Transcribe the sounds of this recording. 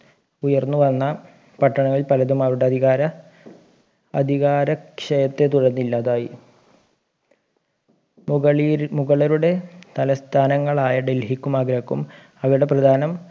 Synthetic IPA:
ujɐrnːuʋɐnːɐ | pɐʈːɐɳɐŋːɐɭilpɐlɐðumaːɾuɽeɐd̪ʱiɣaːɾɐ | ɐd̪ʱiɣaːɾɐkʂɐjɐt̪ːe̞t̪uɻɐnːilːaːðaːji | muɣɐɭɐɾuɽe̞t̪ɐlɐst̪ʰaːnɐŋːɐɭaːjɐɖe̞lɦikːumɐɡɾɐkːum | ɐʋɐɽe̞prɐd̪ʱaːnɐm

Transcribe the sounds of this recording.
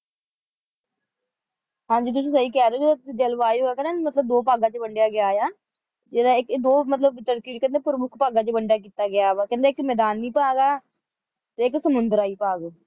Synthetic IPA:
ɦãːɲd͡ʒiːt̪̬ʊĩːsəiːkɛːɾeːd͡ʒed̪aːd͡ʒəlʋaːiːɦoːaːkɛ̃neːmət̪ləb̚d̪oːpaːɡãːt͡ʃəbəɳɖɪjaːɡɪjaːjaː | d͡ʒeːd̪aːɪkːd̪oːmət̪ləbt̪əɾkiːʈkɛ̃ːnd̪eːpʊɾmʊkʰpaːɡãːt͡ʃəbəɳɖjaːk̬iːt̪aːɡɪjaːʋaːkɛ̃nd̪eːɪkmɛːd̪aːnːiːpaːɡaː | t̪eːɪksəmʊnd̪əɾaːiːpaːɡoː

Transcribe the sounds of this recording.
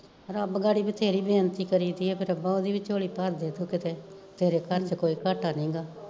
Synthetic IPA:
əɾəbɡaːɽiːbiːt̪ʰeːɾiːbeːnt̪iːkəɾiːd̪iːɛːpʰɪɾəpːãːoːd̪iːʋɪt͡ʃoːɽiːpaɾd̪eːd̪uːkɪt̪eː | t̪ʰeːɾeːkəɾt͡ʃkoːiːkaːʈʰaːnĩːɡaː

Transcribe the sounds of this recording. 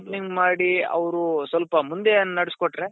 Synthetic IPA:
pniŋɡmaːɽiɐ̰ʋɾusʋɐlpɐmund̪e̞nːnɐɽiskɔʈːɾe

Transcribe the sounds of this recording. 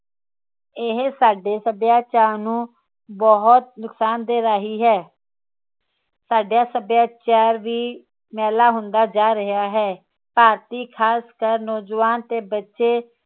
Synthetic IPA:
ɪɦsaːɖeːsəbjaːt͡ʃaːnũː | bɔɦʊt̪̚nʊksaːnd̪eːɾaːɦiːɦɛː | saːɖjaːsəbjaːt͡ʃaːɾʋiː | mɛːlaːɦʊ̃nd̪aːd͡ʒaːɾəɦaːɦɛː | paːɾt̪iːkʰaːskəɾnɔːd͡ʒʋaːnt̪eːbətːʃeː

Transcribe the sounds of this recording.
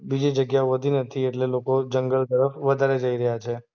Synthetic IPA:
bid͡ʒid͡ʒəɡjaoʋəd̪ʱinət̪ʰieʈlelokod͡ʒəŋɡəɭt̪əɾəfʋəd̪ʱaɾed͡ʒəiɾəɦjat͡ʃʰe

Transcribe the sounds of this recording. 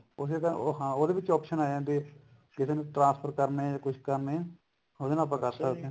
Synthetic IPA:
ʊset̪ãɦãːoːd̪eːʋɪt͡ʃɔːpʃənaːd͡ʒãːd̪eː | kɪseːnũʈɾãːnspʰəɾkəɾneːaːkʊt͡ʃʰkəɾneː | oːd̪eːnãːp̬ãːkəɾsəkd̪ẽː

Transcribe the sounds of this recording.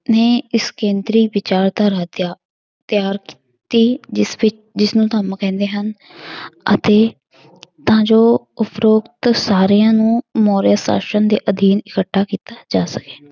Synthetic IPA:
neːɪskẽːnd̪ɾiːʋɪt͡ʃaːɾd̪aːɾaːt̪jaː | t̪ɪjaːɾkː | t̪iːsʋɪ | d͡ʒɪsnũːt̪əmkɛ̃ːnd̪eːɦən | ə̰t̪eː | t̪ãːd͡ʒoː | ʊpʰɾoːkt̪saːɾejãːnũːmɔːɾjaːsa̰ːʃənd̪eːʔəd̪ʱiːnɪkəʈʰːaːkiːt̪aːd͡ʒaːsəke̥ː

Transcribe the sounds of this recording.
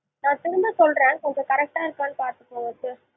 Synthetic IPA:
nãːt̪ʊɾʊmbɐsɔlrẽːnkɔɲd͡ʒɔ̃kɐɾɛk̚ʈaːɪɾɯkːaːnːɯpaːɾt̪ɯ̥pːoːʋɐtːɯ

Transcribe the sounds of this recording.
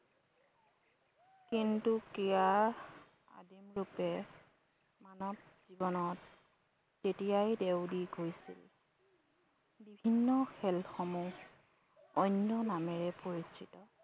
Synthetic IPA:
kintukijaɹ | a̰dimlupɛ | manɔt̚ | z̥ibɔnɔtː | etijajdewdiɡojsḭl | bibʱinːɔxɛlxɔmu | ɔnːɔnamɛɹɛpoɹisitɔ

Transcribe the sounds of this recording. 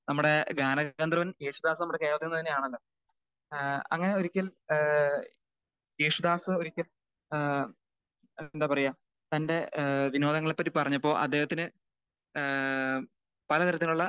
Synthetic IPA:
nɐmːuɽe̞ɡaːnɐɐnd̪rɐʋɐneːʂud̪aːsɨnɐmːuɽekeːʋɐt̪ːenːɐðineaːɳenɖɨ | ɐ̰ŋːɐne̞o̞ɾikʲːɐl | eːʂud̪aːsɨo̞ɾikʲːɐl | nd̪aːpɐrɐjːaː | t̪ɐnde̞ʋino̞ːd̪ɐŋːɐɭepːɐt̬ːipɐrɐɲːɐpːo̞ːʔɐ̰d̪ːe̞ːhɐt̪ːinɨ | pɐlɐt̪ɐɾɐt̪ːiuɭːɐ

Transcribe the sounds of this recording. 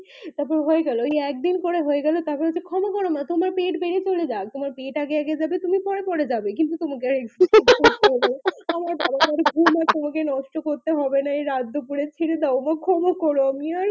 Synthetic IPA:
t̪aɾpɔɾeɦoeɡɛloeɛk̚d̪inpoɽeɦoeɡɛlot̪aɾpɔɾeot͡ɕʰekʰɔmokɔɾomat̪omaɾpeʈbeɽet͡ɕoled͡ʑak̚t̪omaɾpeʈaɡeɛɡed͡ʑabet̪umipɔɽepɔɽed͡ʑabek̬int̪ut̪omakeaɾekd͡ʑikoɾt̪eɦɔbeamaɾamamaɾɡʱumat̪omakenɔʃʈokoɾt̪eɦɔbenaeɾad̪ʱːopuɾet͡ɕʰeɽed̪aomakʰɔmakɔɾoamiaɾ

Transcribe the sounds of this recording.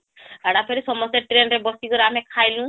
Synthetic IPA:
aɽapʰeɾisɔmɔst̪eʈɾenɾebɔsiɡɔɾamɛkʰajlũ

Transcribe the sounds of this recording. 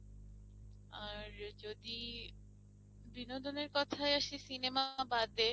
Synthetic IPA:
aɾd͡ʑod̪i | binod̪ʱoneɾkɔt̪ʰaeaʃesinemabad̪e

